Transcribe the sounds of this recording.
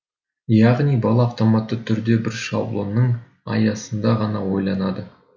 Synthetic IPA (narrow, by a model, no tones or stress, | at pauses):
jɑʁnijbɑlˠɑːft̪o̞mɑt̪ːət̪ʰʏɾd̪e̞bɪɾʃɑ̰blˠonːəɴ | ɑ̰jɑsənd̪ɑʁɑnɑwo̞jlˠɑnɑd̪ə